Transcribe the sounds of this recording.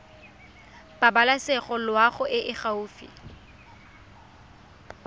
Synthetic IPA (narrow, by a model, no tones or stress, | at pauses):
b̥abalasɛχɔlwaχʊʔɪʔɪχauːfḭ